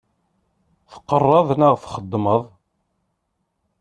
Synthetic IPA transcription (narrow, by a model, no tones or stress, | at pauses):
θə̥qːərˤːɑðˤnaʁθχəd̪ːməðˤ